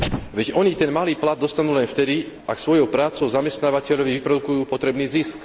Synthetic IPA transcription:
ʋɛɟɔɲit̪ɛnmaliːplad̪̚ːɔst̪anuːlɛnft̪ɛd̪iʔaksʋɔjɔʊpɾaːt͡sɔʊzamɛst̪naːʋacɛʎɔʋiʋipɾɔd̪ukujuːpɔt̪ɾɛbniːzisk

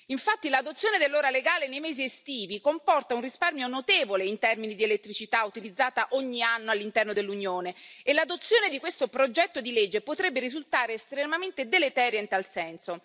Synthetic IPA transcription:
iɱfat̪ːilad̪ot̪sːjoːned̪elːoːɾaleɡaːlenejmɛːziest̪iːvikompɔrt̪aunrisparmjonot̪eːvoleint̪ɛrminid̪ielet̪ːɾit͡ʃit̪aut̪ilid̪zːaːt̪aʔoɲːianːoalːint̪ɛrnod̪elːuɲjoːneelːad̪ot̪sːjoːned̪ikwest̪opɾod͡ʒɛt̪ːod̪iled͡ʒːepot̪ɾɛbːeɾizult̪aːɾeːst̪ɾemament̪ed̪elet̪ɛːɾjaint̪alsɛnso

